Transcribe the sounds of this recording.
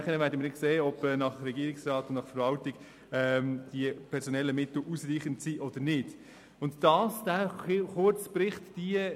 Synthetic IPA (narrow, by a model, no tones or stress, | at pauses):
χənəvæːɾdəmɪnɪkseːɔbɛːnɑχɾɛɡiːəɾɪksrɑːtʊndnɑχfəɾvɑltɪɡ | ɛmd̥iəpʰɛɾsɔnɛlːəmɪt̪l̩ʔusɾiːχəntsiːʔɔd̥əɾnɪd̥ | ʊntd̥ɑːsd̥æχʊɾt͡spɾɪχtd̥i